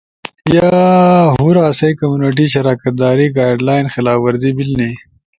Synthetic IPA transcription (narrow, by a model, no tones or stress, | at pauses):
jaɦuɾaːsɐjkɐmjuneʈ̬iʃɐɾaːkɐt̪̚d̪aːɾiɡaːjɖlaːjnxɪlaːfwɐɾd̪ibilni